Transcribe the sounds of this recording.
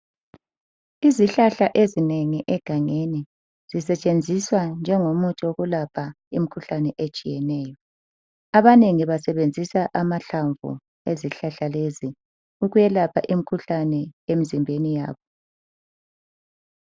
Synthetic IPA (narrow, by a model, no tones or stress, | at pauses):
iziɬaɬaʔezineŋiʔɛɡ̥ʱaŋeni | z̥isɛt͡ʃʼend͡zʱiswand͡ʒʱɛŋomutʰʼioɣulapʰa | imikʰuɬanɛʔet͡ʃʼijɛnɛːjɔ | aβaneŋiβasɛβend͡zʱisaʔamaɬaɱvṵ | eziɬaɬalezi | uɣujɛlapʰa̰ʔimikʰuɬanɛem̩zimbʱenija̰ːβɔ